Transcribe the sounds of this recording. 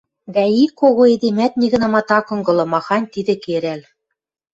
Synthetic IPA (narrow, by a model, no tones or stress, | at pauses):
βæikːoɣoed̪emæt̪̚niɣɘ̆nɑ̆mɑt̪ɑkɤ̆ŋɡɤ̆lˠɤ̆mɑxɑnʲt̪id̪ɘ̆keɾæl